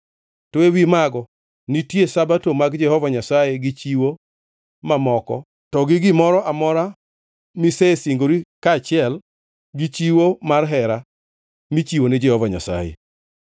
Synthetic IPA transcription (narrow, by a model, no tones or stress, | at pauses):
toewimaɡɔ | nitjesabatomaɡd͡ʒɛhɔvaɲasajeɡɪt͡ʃiwo | mamɔkɔ̰ | tɔɡɪɡɪmɔɾɔʔamɔɾa | misesiŋɡoɾikat͡ʃɪɛl | ɡit͡ʃiwomarɦɛɾa | mit͡ʃiwonɪd͡ʒɛhɔvaɲa̰sa̰jḛ